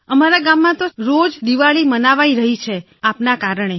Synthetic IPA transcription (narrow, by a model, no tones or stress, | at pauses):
əmaɾaɡamːãt̪oɾod͡ʒd̪iʋaɭimənaʋaiɾəɦit͡ʃʰe | apnakaɾəɳ̃e